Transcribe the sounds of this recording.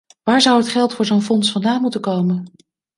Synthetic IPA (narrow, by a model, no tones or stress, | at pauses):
ʋaːɹzʌwɦətχɛlˠtfʊːɹzownfɔnsfɑndaːnmutəkowmən